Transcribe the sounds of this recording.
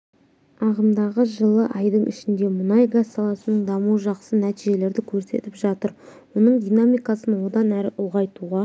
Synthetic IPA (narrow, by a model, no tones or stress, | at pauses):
ɑʁəmd̪ɑʁəʒəlˠəʔɑjd̪əɴʔɪ̰ʃɪnd̪e̞mʊnɑjɡasːɑlˠɑsənəɴd̪ɑmuwəʒɑqsənæt̪iʒe̞le̞ɾd̪ɪkʲʰɵɾse̞̰t̪ɪpʒɑt̪əɾwonəɴd̪ʲijnamʲijkɑsənwo̞d̪ɑnæɾɪʔʊʁɑjt̪uʁɑ